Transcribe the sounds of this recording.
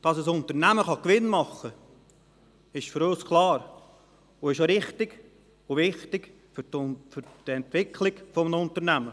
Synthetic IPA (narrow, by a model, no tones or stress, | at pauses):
d̥ɑsəsʊntəɾnæməχɑkʋɪnmɑχə | ɪʃfʏɾoskʰlˠɑːɾ | ʊɪʃoɾɪχtɪɡ̥ | ʊʋɪχtɪɡ̥ | fʏɾfʏɾd̥ɛntʋɪkʰlɪɡfɔmnʊntəɾnæmə